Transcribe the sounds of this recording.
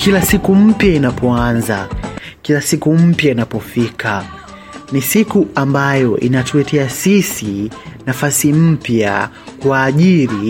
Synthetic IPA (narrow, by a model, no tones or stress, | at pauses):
kʰilasikum̩pjainapɔanza̰kilasikum̩pjainapɔfikʰa | nisikuambajɔʔḭnatuɛtʰɛasisinafasim̩pja̰ | kuaːʄiɾi